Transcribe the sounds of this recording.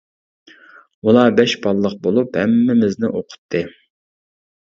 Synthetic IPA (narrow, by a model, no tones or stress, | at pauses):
ulˠɑːbɛʃbɑlˠːəq̚bolˠuphɛmːɪmɪznɪʔoqʰʊ̥t̪ʰːɨ